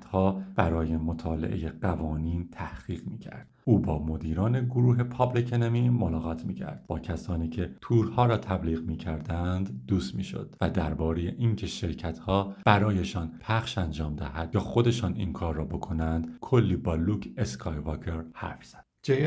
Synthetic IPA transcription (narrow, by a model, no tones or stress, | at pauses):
t̪hɒːb̥æɾɒːje̞mo̞t̪ʰɒːlḛʔe̞̰jeɢævɒːniːnt̪ʰæhɢ̥iːɣmiːcʰæ̰ɾd̥̪uːbɒːmo̞d̪iːɾɒːne̞ɡoɾuːɦe̞pʰɒːblicʰenemimo̞lɒːɣɒːt̪ʰmiːcʰæ̰ɾd̪̥b̥ɒːcʰæsɒːniːcʰe̞t̪ʰuːɾhɒːɾɒːt̪ʰæbliːɣmiːcʰæɾd̪ænd̪ːuːst̪miːʃo̰d̪̥væd̪æɾbɒːɾeje̞ʔincʰe̞ʃe̞ɾcʰæt̪ʰhɒːb̥æɾɒːje̞ʃɒːnpʰæχʃænd͡ʒɒːmd̪æɦæd̪̥̚jɑːxo̞d̪e̞ʃɒːnḭŋkʰɒːɾːɒːbo̞kʰo̞nænd̪kʰo̞lːiːbɒːluːcʰeskʰɒjvɒːkʰe̞ɾhæ̰ɾfz̥æd̪d͡ʒe